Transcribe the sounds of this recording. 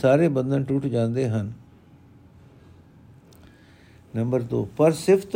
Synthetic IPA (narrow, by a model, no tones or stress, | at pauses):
saːɾebɐ̃nd̪ənɪ̆ʈuːʈʰd͡ʑãːn̆d̪eɦənɪ̆ | nɐ̃mbəɾd̪oːpɐɾsɪft̪